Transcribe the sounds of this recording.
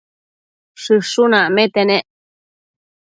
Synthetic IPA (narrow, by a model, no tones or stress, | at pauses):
ʂɨʂunamet̪enẽʔ